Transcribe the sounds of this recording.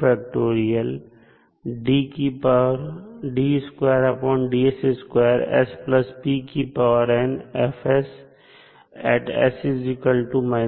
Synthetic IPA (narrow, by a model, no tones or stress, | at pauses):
fɛk̚ʈoːɾiəl | ɖiːkipaɾɖiskweːɾɐpɔ̃ːɳɖieseskweːəɾɛ̰spləspiːkiːpaʋəɾɛ̃ɳɛfes | ɛ̰ːʈɛ̰sizɪkəlʈumãɪ